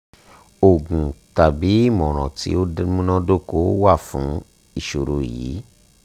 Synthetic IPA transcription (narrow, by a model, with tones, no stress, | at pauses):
o˨ɡũ˨ta˨bi˨˦i˦˨mɔ̃˨ɾ̃ɔ̰̃˨tḭ˧˦o˦mũ˦nɔ̃˦do˦ko˦wa˦˨fũ˨˦ | i˦˨ʃo˨ɾo˨jḭ˨˦